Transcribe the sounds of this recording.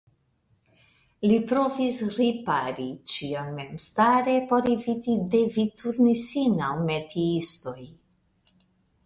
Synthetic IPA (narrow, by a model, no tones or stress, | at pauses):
lipɾo̞visɾipaɾit͡ʃionme̞mstaɾe̞po̞ɾivitide̞vituɾnisinawmetʰiisto̞j